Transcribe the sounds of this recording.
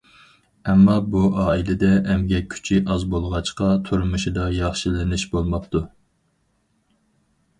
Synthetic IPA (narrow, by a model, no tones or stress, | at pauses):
ɛmːɑbuʔɑːilɪd̪ɛːmɡʲɛkʲʰy̥t͡ʃʰiʔɑzbolˠʁɑt͡ʃqɑt̪ʰuɾmuʃid̪ɑjɑχʃilɪnɪʃbolˠmɑp̚t̪ʰu